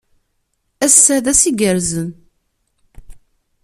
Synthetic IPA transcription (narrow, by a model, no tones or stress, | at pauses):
æsːæðæsiɡəɾzən